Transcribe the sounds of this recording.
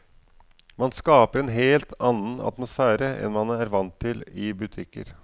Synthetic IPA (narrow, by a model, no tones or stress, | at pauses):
mɑnskɑːpəɾɛnɦeːlt̪ʰɑnːənɑ̰t̪mʊsfæːɾəʔɛ̰nmɑnæɾʋɑnt̪ʰːɪlɪbʉt̪ʰɪkːə̰ɾ